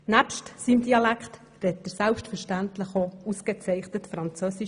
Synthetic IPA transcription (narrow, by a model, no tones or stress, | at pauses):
næpʃtsimd̥iɑlækχt̪ | ɾɛt̚ːəɾsælpʃtfəɾʃtæntləχousket͡sɛɪχnətfɾɑnt͡søːsi